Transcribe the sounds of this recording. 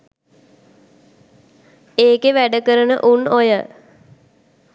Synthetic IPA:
eːkeʋæɖəkəɾənə̰ʔunojə

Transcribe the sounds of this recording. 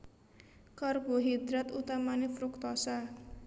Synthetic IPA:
kɔrboɦid̪ɾat̪ut̪amanefɾuk̚t̪ɔsa

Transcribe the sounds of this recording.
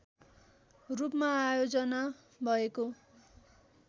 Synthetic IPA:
rupmaːjod͡zʌna | bʱʌeko

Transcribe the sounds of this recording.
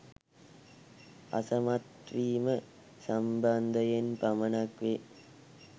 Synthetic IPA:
ɐ̰sɐmɐt̪ʋiːmə | sɐmbɐnd̪ʱɐjenpɐmɐnɐkʋe

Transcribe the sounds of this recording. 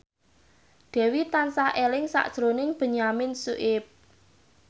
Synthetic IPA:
ɖ̪̥ɛ̤wit̪ansahʔelɪŋsa̰ʔd̥ʒ̥ɾonɪŋb̥ə̤ɲamɪnsuʔɪp̚

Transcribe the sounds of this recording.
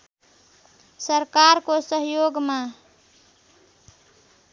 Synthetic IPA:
səɾkaɾkosəɦjoːɡmã

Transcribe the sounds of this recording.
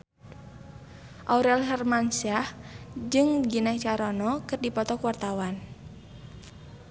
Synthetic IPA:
ʔauɾɛlɦɛrmansiahd͡ʒɨŋɡinat͡ʃaɾɔnɔkɨrdipɔt̪ɔkuwart̪awan

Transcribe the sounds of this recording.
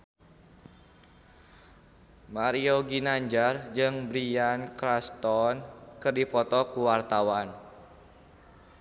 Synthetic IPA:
maɾioɡinaɲd͡ʒard͡ʒɨŋbɾiankɾast̪ɔnkɨrdipɔt̪ɔkuwart̪awan

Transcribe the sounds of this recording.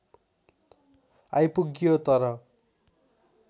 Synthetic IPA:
ajpuɡjot̪ʌɾʌ

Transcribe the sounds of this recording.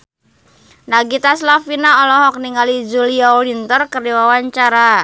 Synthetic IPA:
naɡit̪aslafinaɔlɔɦɔk̚niŋalid͡ʒuliaɔlint̪ərkəriwawaɲt͡ʃaɾa

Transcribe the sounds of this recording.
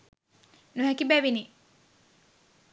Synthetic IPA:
nuɦɛkibæʋini

